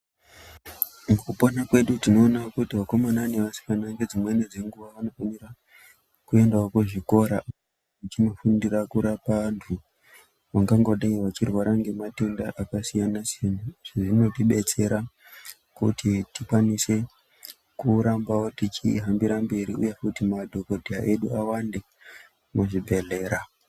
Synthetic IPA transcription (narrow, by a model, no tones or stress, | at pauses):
ŋɡuponakwe̞ɗutino̞ːnakutiʋako̞mananeʋasi̥fanaŋɡe̞d͡zimwened͡ze̞ŋɡuʋaʋano̞fanira | kue̞ndaokuʐiko̞ɾa | ʐit͡ʃinofundirakuɾapantʰu | ʋaŋɡaŋɡoɗaiʋat͡ʃirwaɾaŋɡe̞mate̞ndaʔakasijanasijanaʐ̥eʐino̞tiɓe̞t͡se̞ɾa | kutʰitikwanise̞ | kuɾambawotit͡ʃiɦambiɾambe̞ɾiujefutimadʱo̞ko̞dʱiaʔe̞ɗuawande̞ | muʐibʱe̞ɮe̞ːɾa